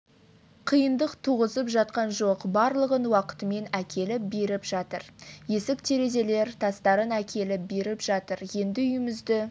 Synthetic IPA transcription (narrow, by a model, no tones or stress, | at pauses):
qʰijənd̪əqt̪ʰuʁəzəpʒɑt̪̚qɑnʒo̞qbɑɾlˠəʁənwɑqə̥t̪əme̞nækʲʰe̞lɪp̚be̞ɾɪpʒɑt̪əɾje̞sɪkt̪ʰe̞ɾe̞ze̞le̞ɾt̪ʰɑst̪ɑɾənækʲe̞lɪp̚be̞ɾɪpʒɑt̪əɾje̞nd̪ɪʏjɪmɪzd̪ɪ